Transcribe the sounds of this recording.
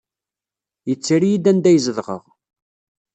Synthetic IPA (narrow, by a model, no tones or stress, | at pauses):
jət͡sːiɾijid̪ænd̪æjzəðʁə̰ʁ